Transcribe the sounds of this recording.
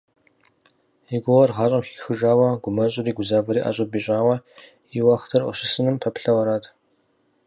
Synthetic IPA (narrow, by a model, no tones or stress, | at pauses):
iɡʷʊʁɐrʁɑːɕʼɐmxi̥xɨʒaːwɐɡʷʊmɐɕʼɪɾiːɡʷʊzaːvɐɾiːʔa̰ːɕʼɪbiːɕʼaːwɐ | iwaχtʰɐrʔʷɔ̰ɕɪsɨnɨmpʰɐpɬɐwɐɾaːtʰ